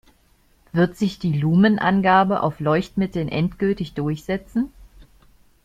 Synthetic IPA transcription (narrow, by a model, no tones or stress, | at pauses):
v̥ɪɐtz̥ɪçd̥iːluːmənʔa̰nɡaːbəʔa̰ʊflɔʏçtmɪtl̩nʔɛntɡ̥ʏltɪçd̥ʊɐçz̥ɛt͡sn̩